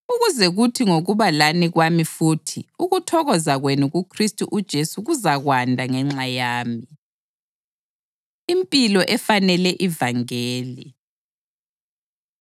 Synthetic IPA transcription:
uɣuzɛɣutʰiŋoɣuβalaniɣwamifutʰiuɣutʰɔɣɔzaɣwenuɣukʰristʼuʔud̥ʒ̥ʱesuɣuzaɣwandʱaŋɛŋ͡ǁajaːmi | impʼilɔʔɛfanɛlɛʔivaŋeːli

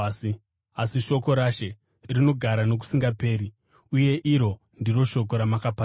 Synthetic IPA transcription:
asiʃo̞ko̞ɾaʃe̞ | rino̞ɡʱaɾano̞k̬u̥siŋɡape̞ːɾi | uje̞ʔiɾo̞ | ndiro̞ʃo̞k̬o̞ɾamakapa

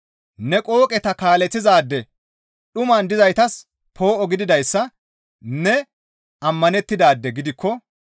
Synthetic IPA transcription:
nɛkʼo̞ːkʼɛt̪ɐkaːlɛt̪ːɪzaːd̪ːɛ | ɗʊmɐnd̪ɪzɐjt̪ɐs | pʰo̞ːʔɔɡɪd̪ɪd̪ɐjsːɐ | nɛ | ʔɐmːɐnɛt̪ːɪd̪aːd̪ːɛɡɪd̪ɪkːɔ

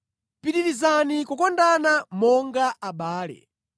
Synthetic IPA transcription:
piɗiɾizanikukɔndanamɔŋɡaʔaɓaːlɛ̰

